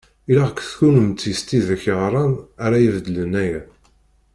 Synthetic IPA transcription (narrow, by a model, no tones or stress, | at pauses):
ilaʁkʷːθçunəmt͡s̪ːist̪iðæçʁɾˤɑnaɾajivd̪ələnæjæ